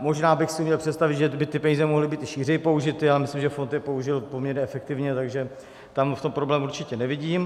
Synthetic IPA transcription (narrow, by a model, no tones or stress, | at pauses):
mo̞ʒnaːbɪxsɪumɲɛlpr̥ɛt̪st̪avɪd̪ʒɛbɪt̪ɪpɛɲiːzɛmoɦlɪbiːt̪ɪʃiːr̝ɛjipo̞uʒɪt̪ɪalɛmɪslimʒɛfo̞nt̪jɛpo̞uʒɪlpomɲɛɾɲɛɛfɛk̚t̪ɪvɲɛt̪aɡʒɛ | t̪amft̪ompɾo̞blɛːmuɾrt͡ʃɪcɛnɛvɪɟiːm